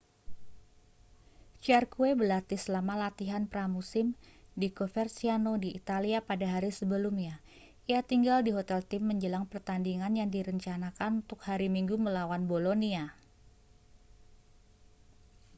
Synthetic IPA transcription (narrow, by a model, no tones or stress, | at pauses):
t͡ʃiarkuebəlat̪isəlamalat̪iɦanpɾamusɪmdikofɛrsianodiʔːt̪aliapadaɦaɾisəbəlumɲa | iat̪iŋɡaldiɦot̪ɛlt̪ɪmːəɲd͡ʒəlaŋpərt̪andiŋanjaŋdiɾəɲt͡ʃanakanunt̪ʊk̚haɾimiŋɡuməlawanbolonia